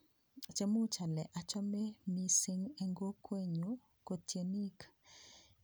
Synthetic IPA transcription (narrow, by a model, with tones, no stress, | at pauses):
t͡ʃe˦mu˦t͡ʃa˨lɛ˨ʔa˨t͡ʃɔ˦mɛ˦mi˦si˦ŋɛ˦ŋɡo˦kʰwe˦ɲo | ko˨tje˨ni˦k